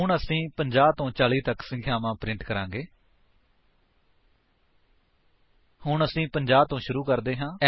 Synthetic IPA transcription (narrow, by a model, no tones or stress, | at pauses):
ʊɳəsĩːpəɲd͡ʒaːbt̪õːt͡ʃaːliːt̪əksə̃ŋkʰjaːmãːpɾɪ̃ɳʈkəɾãːɡeː | hʊɳəsĩːpəɲd͡ʒaːbt̪õːʃʊɾuːkəɾd̪eːɦãːɛ